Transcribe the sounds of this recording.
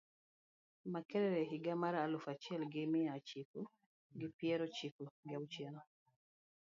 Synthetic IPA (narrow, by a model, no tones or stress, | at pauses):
makɛɾɛɾɛɦɪɡamaɾalʊfat͡ʃɪɛlɡɪmɪat͡ʃiku | ɡɪpjɛɾɔt͡ʃikuɡɪawt͡ʃɛnɔ